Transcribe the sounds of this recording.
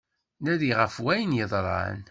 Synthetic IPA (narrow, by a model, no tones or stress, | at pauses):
næðiʁəfwæjənjəðˤɾˤɑ̰ʕə̰n